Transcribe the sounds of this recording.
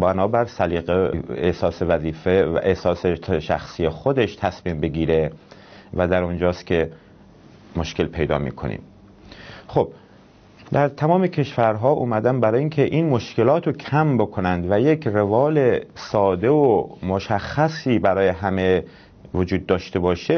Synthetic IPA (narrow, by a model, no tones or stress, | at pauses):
bænɒːbæɾsæliːɣeehsɒːsevæziːfḛʔehsɒːseʃæ̰xsijexod̪e̞ʃt̪ʰæsmiːmbe̞ɡiːɾe̞ | væd̪æɾond͡ʒɒːst̪̚kʲʰe̞ | mo̞ʃke̞lpʰe̞jd̪ɒ̰ːmḭːkʰo̞̰nḭːm | xob̥̚ | d̪æɾt̪ʰæmɒːme̞cʰe̞ʃfæɾɦɒːʔṵːmæd̪ænbæɾɒːjiːŋkʰeʔiːnmo̞ʃke̞lɒːt̪ʰokʰæmbokʰo̞nænd̪væjekʰrevɒːlesɒːd̪e̞omoʃæxːæsiːbæɾɒːje̞ɦæme | vod͡ʒuːd̪̚ːɒːʃt̪e̞bɒːʃe